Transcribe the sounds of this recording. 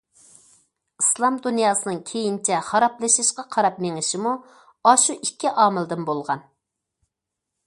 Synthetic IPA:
ɨslˠɑmd̪unjɑːsɨnɨŋkʲʰejint͡ʃʰɛχɑɾɑplˠɨʃɪʃqɑqʰɑɾɑpmeŋɪʃɪmu | ɑʃuʔikʲːiʔɑːmɨlˠd̪ɨnbolˠʁɑn

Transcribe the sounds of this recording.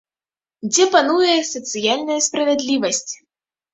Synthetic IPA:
d͡zʲɛpanujɛsɐt̪sɨjalʲnɐjɐspɾɐvʲɛd̪lʲivɐsʲt͡sʲ

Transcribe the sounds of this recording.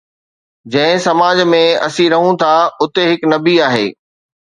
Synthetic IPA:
d͡ʑɐ̃ɦɪ̃sɐmaːd͡ʑmẽɐ̰sĩɾɐɦũt̪ʰaʊt̪eɦɪknɐbiaːɦḛː

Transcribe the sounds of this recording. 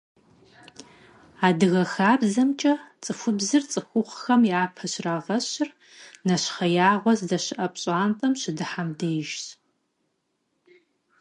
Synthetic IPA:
aːdɨɣɐxaːbzɐmt͡ʃʼɐt͡sʼɨfʷʊbzɨrt͡sʼɨxʷʊχxɐmjaːpʰɐɕraːʁɐɕɪr | nɐɕχɐjaːʁʷɔzdɐɕɪʔɐpʼɕʼaːntʼɐmɕɪdɨħamdeːjʒt

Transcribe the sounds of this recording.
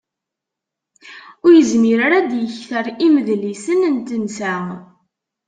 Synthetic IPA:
ʊɾjəzmiɾaɾad̪jəçθəɾiməðlisənənt̪ənsæ

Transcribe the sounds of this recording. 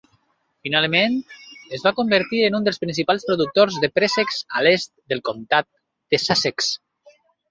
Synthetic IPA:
finalˠment̪əzβakumbəɾt̪iɾənund̪əlˠspɾinsipalˠspɾuðuk̚t̪orzðəpɾesekz̥alest̪̚d̪əlˠkomt̪at̪̚ | d̪̥əsaseks

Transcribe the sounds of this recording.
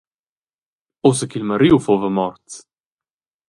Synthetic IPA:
owsəkilmɐɾiwfovəmɔɾt̪s

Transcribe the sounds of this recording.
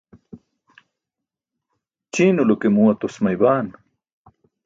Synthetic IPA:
t͡ɕiːnulokemuwɐt̪osmɐjbaːn

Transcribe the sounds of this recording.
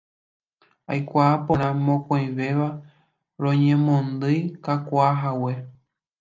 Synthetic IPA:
ajkʷaːpõɾ̃ãmõkõj̃ʋe̞ʋa | ɾõɲẽ̞mõnd̪ɨjkakʷaɦawe̞

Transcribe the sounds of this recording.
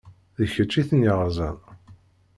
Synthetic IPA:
ðəçət͡ʃːiθnəʁzˤæn

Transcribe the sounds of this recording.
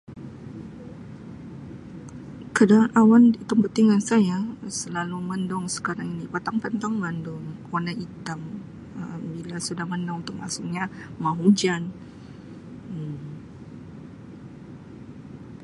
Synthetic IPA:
kədanʔawandit̪ampət̪iŋansajasəlaluməndɔŋsə̥kaɾaŋinipat̪aŋpant̪aŋbandɔŋonait̪am | əmbilasudahməndɔŋunt̪ʊk̚masʊʔɲamaɦud͡ʒan

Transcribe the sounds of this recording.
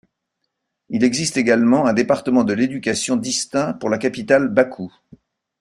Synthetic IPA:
ilɛɡzist̪eɡalmɑ̃ɛ̃d̪epaʁt̪əmɑ̃d̪əled̪ykʲasjɔ̃d̪ist̪ɛ̃puʁlakapit̪albakʰu

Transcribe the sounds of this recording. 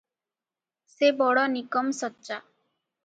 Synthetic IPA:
sebɔɽɔnikɔmsɔtːʃa

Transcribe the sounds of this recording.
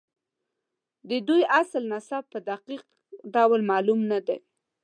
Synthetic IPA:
d̪əd̪ujaslnasab̚pəd̪aqiq | ɖawlmɑlumnad̪e

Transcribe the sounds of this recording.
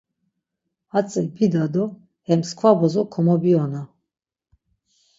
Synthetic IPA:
at͡sʼɛbid̪ad̪ɔ | hɛmskʰvabɔzɔkʰɔmɔbiɔna

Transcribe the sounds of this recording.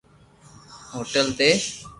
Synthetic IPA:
ɦoʈelt̪e

